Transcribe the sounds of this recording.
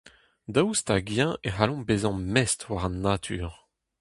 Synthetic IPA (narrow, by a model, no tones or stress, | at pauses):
d̪awst̪aɡjɛ̃ʔeɦalɔ̃bezɑ̃mɛst̪waʁɑ̃nːat̪ʰyːʁ